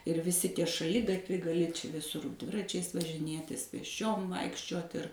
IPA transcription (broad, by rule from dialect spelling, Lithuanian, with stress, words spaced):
ɪr ʋʲɪˈsʲɪ ˈtʲiɛ ʃɐˈlʲɪɡɐtʲʋʲɛɪ ɡɐˈlʲɪ t͡ʃʲɛ ʋʲɪˈsʊr ˈdʲʋʲɪrɐt͡ʃʲɛɪs ʋɐʒʲɪˈnʲeːtʲɪs pʲeːsʲˈt͡ʃʲoːm ˈʋɐɪkʃʲt͡ʃʲuɔt ɪr